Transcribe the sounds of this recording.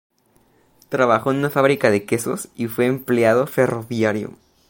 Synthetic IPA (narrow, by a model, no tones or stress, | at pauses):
t̪ɾaβaxo̞enũnafaβɾikaðe̞ke̞so̞sifwe̞ːmpleað̞o̞fe̞ro̞βjaɾjo̰